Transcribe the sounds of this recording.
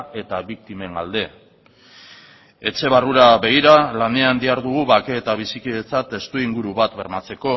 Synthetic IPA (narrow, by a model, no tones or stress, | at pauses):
e̞t̪aβik̚t̪ime̞ŋɡald̪e̞ | e̞t͡se̞β̞aruɾaβe̞ɣ̞iɾalane̞and̪iaɾðuɣ̞uβake̞ːt̪aβ̞isikiðet͡sat̪e̞st̪uiŋɡuɾuβat̪βe̞ɾmat͡se̞ko̞